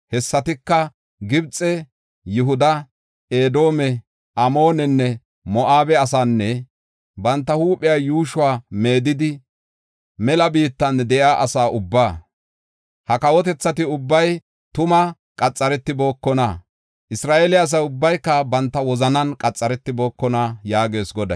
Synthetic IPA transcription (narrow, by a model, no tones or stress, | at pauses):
hɛsːɐt̪ɪkːɐ | ɡɪbt͡sʼːɛ | jʊɦʊd̪ɐ | e̞ːd̪o̞ːmɛ | ʔɐmo̞ːnɛnːɛ | mɔʔaːbɛɐs̬aːnːɛ | bɐnt̪ːɐhuːpʼːɪjaːjuːʃʊwaːme̞ːd̪ɪd̪ɪ | mɛlɐbiːt̪ːɐnd̪ɛʔaːʔɐsaːʔʊbːaː | hɐkɐwɔt̪ɛt͡sːɐt̪ɪʊbːɐj | t̪ʊmɐ | kʼɐt͡sʼːɐɾɛt̪ːɪbo̞ːkːɔnɐ | ʔɪsɾaːʔeːlɪɐs̬ɐjʊbːɐjkːɐbɐnt̪ːɐwɔzɐnɐnkʼɐt͡sʼːɐɾɛt̪ːɪbo̞ːkːɔnajaːɡe̞ːsɡɔd̪ɐ̰